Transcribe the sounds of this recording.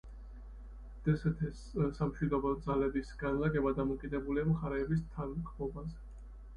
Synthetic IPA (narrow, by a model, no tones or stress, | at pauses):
d̪̥ɛsɛt̪ʰɛs | samʃwid̪ɔbɔd̪zalɛbisɡanlaɡɛbad̪amɔkʼid̪ɛbuliamχaɾɛːbist̪ʰanχmɔbazɛ